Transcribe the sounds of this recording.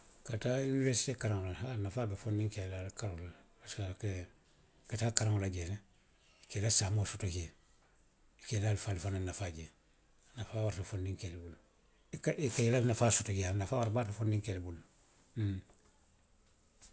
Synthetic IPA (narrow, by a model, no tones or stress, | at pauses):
katainivesi̥tekaɾaŋlahanafaːbefondiŋkelalkaɾalabasake | kataːkaɾaŋolaɟeːne | kelasamoːsotoke | kelalfalfananafaɟe | nafaːwaɾtafondiŋkelbul | kaikajilanafaːsotokijanafaːwaɾbaːtafondiŋkelbul